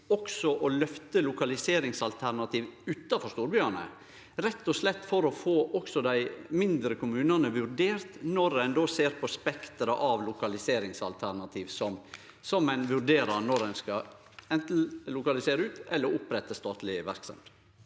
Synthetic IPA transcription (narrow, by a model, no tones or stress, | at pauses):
ɔksɔʔɔlœft̪əlʊkɑlɪseːɾɪŋsɑlt̪ʰæɾnɑt̪iːʋʉːt̪ːɑfɔɾʂt̪uːɾbʏænə̰ | ɾɛt̪ːɔslɛt̪ːfɔɾɔfoːʔɔksɔd̪æɪmɪnd̪ɾəkʰʊmʉːnɑnəʋʉɾɖeːɾt̪nɔɾɛnd̪oːseːɾpʰɔspɛkt̪əɾɑʔɑʋlʊkɑlɪseːɾɪŋsɑ̰lt̪ʰæɾnɑt̪ʰiːʋsɔm | sɔmæɪnʋʉɾɖeːɾɑɾnɔɾɛnskɑ | ɛnt̪n̩lʊkɑlɪseːɾəʉːt̪ɛlːəɾʊpɾɛt̪ːəst̪ɑːt̪lɪʋæɾksɑ̰m